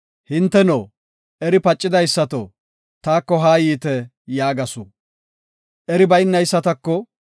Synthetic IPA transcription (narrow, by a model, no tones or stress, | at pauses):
hɪnt̪ːɛnoː | ʔɛɾɪpɐt͡ʃʼːɪd̪ɐjsːɐt̪ɔ | t̪aːkːɔɦaːjiːt̪ɛ | jaːɡɐsʊ | ʔɛɾɪbɐjnːɐjsːɐt̪ɐkːɔ